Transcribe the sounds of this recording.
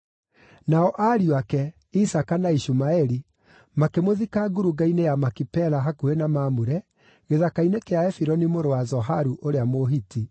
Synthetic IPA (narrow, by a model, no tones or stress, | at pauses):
naɔʔaɾiwakɛ | isakanaiʃumaɛɾi | makemoðikaɡuɾuɡainejamakipɛɾaɦakuɾenamaːmuɾɛ | ɣeðakainekeaɛfiɾɔnimoɾowazɔɦaɾuʔoɾeamoɦiti